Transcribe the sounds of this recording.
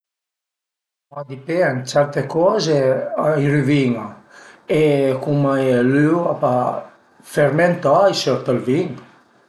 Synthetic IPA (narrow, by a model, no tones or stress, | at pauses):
mad̪ipeant͡ʃɛɾt̪ekɔzeajryviŋaekumelywapa | feɾment̪ajsøɾt̪alviŋ